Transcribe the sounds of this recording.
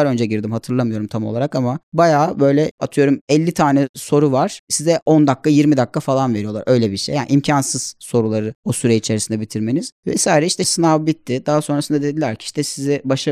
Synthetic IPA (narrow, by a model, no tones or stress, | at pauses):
aɾø̞nd͡ʒɛɟiɾd̪imhat̪ʰɯɾlˠamɯjo̞ɾumt̪ʰamolˠaɾakamabajaːbø̞jlʲɛat̪ʰɯjo̞ɾumɛlʲːit̪ʰaːnɛso̞ɾuvaɾ̥sizɛʔo̞nd̪akːajiɾmid̪akːafalˠanve̞ɾijo̞lˠaɾʔø̞jlʲɛbiɾʃḛjːaːnʔimcʰansɯz̥so̞ɾulˠaɾɯosyɾɛit͡ʃʰe̞ɾisind̪ɛbit̪ʰiɾme̞niz̥vɛ̰saːɾɛiʃt̪ʰɛsɯnavbit̪ʰːɪd̪aɦaso̞nɾasɯnd̪ad̪e̞d̪ilʲæɾcʰi̥iʃt̪ɛsizɛbaʃa